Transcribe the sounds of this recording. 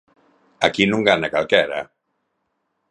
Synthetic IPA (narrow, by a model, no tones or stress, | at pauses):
akinuŋɡanakalˠkɛɾa̰